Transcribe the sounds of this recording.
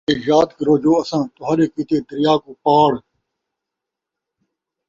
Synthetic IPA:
eːjaːt̪kɾoːd͡ʒoːɐsãːt̪ʊɦaːɾeːkiːt̪eːd̪əɾɪjaːkuːpaːɽ

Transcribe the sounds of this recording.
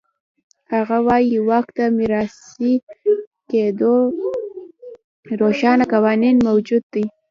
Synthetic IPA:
haɣawɑjiwakt̪amɪɾɑsi | ked̪o | ɾoʃɑnakawɑninmawd͡ʒud̪̚ːij

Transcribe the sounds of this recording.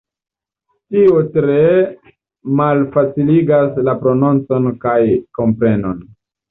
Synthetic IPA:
tiotɾe̞ | malfat͡siliɡaslapɾo̞nont͡so̞nkajko̞mpɾe̞no̞̰n

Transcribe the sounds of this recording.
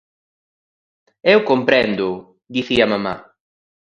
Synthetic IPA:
ɛwkompɾɛnd̪ʊ | d̪iθiamama̰

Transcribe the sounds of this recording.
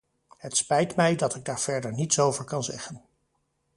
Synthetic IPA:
ɦətspɛjtmɛjdɑtɪɡ̚daːɹv̥ɛɹdəɹnitsowvəɹkɑnzɛ̰χən

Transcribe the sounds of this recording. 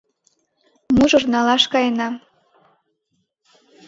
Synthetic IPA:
muʒɤ̆rnɑlɑʃkɑjenɑ

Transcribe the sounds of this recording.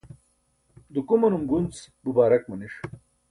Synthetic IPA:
d̪ukumɐnumɡunt͡sbubaːɾɐk̚mɐniʂ

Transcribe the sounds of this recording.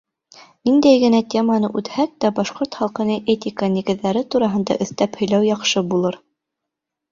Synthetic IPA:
nind̪æjɡɘ̆næt̪ʲemɑnɤ̰ʔʉt̪hæk̚t̪æbɑʃqoɾt̪χɑlˠqɤ̆nɤʔet̪ʲikəniɡɘ̆ðːæɾɘt̪uɾɑɦɤ̆nd̪ɑ̰ʔɵ̆θt̪æphɵ̆jlæwjɑqʃɤbulˠɤɾ

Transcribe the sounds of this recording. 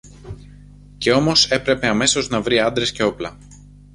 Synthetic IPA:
ce̞o̞mo̞se̞pɾe̞pe̞ɐme̞so̞znɐvɾiɐnd̪ɾe̞sce̞o̞plɐ

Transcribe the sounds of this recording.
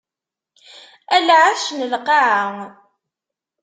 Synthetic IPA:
ælʕaʃnəlqɑʕaŋ

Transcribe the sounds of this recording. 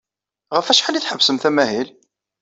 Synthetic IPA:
ʁəfæʃħaliθħəvsəmθæmæhil

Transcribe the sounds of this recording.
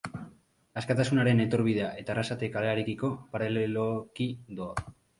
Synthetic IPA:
askat̪asunaɾe̞net̪o̞ɾβiðe̞aʔe̞t̪arasat̪ekale̞aɾe̞kiko̞paɾelelokid̪oa

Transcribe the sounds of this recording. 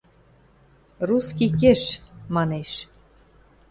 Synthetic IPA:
ruskikeʃmɑneʃ

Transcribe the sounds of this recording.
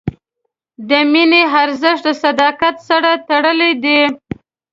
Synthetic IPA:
d̪əmineɦaɾzəʂt̪ləsad̪ɑkat̪saɾat̪aɽəled̪i

